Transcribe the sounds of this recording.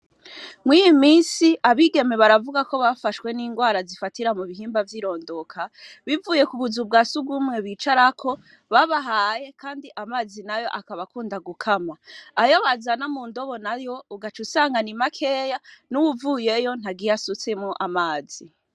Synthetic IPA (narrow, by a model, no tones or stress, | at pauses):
mwijimiːnsiʔaβiɡe̞me̞βaɾavuɡako̞βafaʃwe̞niːŋɡwaːɾazifatiɾamuβiɦiːmbavjiːɾo̞ːndo̞kʰaβivuːje̞kuβuzub̚ɡasuɡumŋe̞βit͡ʃaɾakʰo̞ | βaβaɦaːje̞kʰaːndiʔamaːzinajo̞̰ʔakaβakuːndaɡukʰamaːjoβazanamuːndo̞βo̞najo̞uɡat͡ʃusaːŋɡanimakʰe̞ːjanuwuvuːje̞jo̞n̥aɡijasut͡semoʔamaːz̥i